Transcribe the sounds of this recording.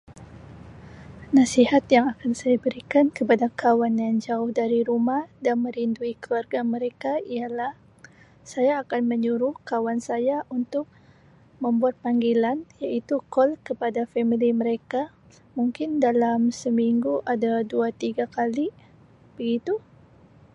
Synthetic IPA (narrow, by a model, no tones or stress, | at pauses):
nasihat̪jaŋakansajabəɾikankəpadakʰawanjaŋd͡ʒaʊhdaɾiɾumahdanmə̃ɾinduikəluarɡaməɾekaijalah | sajaːkanməɲuɾʊhkawansajaʔunt̪ʊk̚ | mə̃mbuat̪̚paŋɡilanjaʔit̪ukɔlkəpadafɛmiliməɾeka | muŋkɪndalamsəmiŋɡuʔadaduat̪iɡakali | b̥əɡit̪u